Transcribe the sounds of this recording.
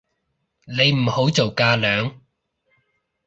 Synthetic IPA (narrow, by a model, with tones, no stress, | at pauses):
le˨˧jm̩˨˩ho˨˥wt͡so˨wkaː˧lœː˨˧ŋ